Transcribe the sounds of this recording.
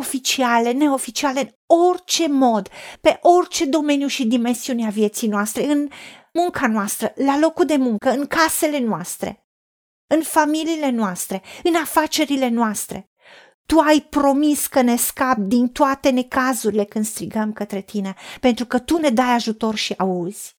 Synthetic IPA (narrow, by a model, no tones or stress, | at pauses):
o̞fit͡ʃiale̞ne̞o̞fit͡ʃiale̞ɨno̞rt͡ʃe̞mo̞d̪pe̞ʔo̞rt͡ʃe̞d̪o̞me̞njuʃid̪ime̞nsiuneavije̞t̪sijnoast̪ɾe̞ɨn | muŋkanoast̪ɾəlalo̞kud̪e̞muŋkəɨŋkase̞le̞noast̪ɾe̞̰ | ɨnfamiliːle̞noast̪ɾe̞ɨnafat͡ʃe̞ɾile̞noast̪ɾe̞̰ | t̪uajpɾo̞miskəne̞skap̚d̪int̪oat̪e̞ne̞kazuɾile̞kɨnd̪st̪ɾiɡəmkət̪ɾe̞t̪ʰine̞pe̞nt̪ɾukət̪une̞d̪ajaʒut̪o̞rʃiauz̥ʲ